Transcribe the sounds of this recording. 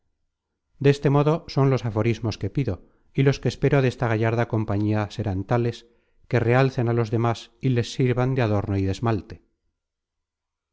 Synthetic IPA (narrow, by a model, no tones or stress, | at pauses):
d̪eest̪e̞mo̞ðo̞so̞nlo̞safo̞ɾizmo̞ske̞piðo̞ | ilo̞skeːspe̞ɾoðe̞st̪aɣ̞aʝaɾðako̞mpaɲiase̞ɾant̪ale̞s | ke̞re̞alθenalo̞zðe̞masile̞sːiɾβand̪eaðo̞ɾno̞iðe̞zmalt̪e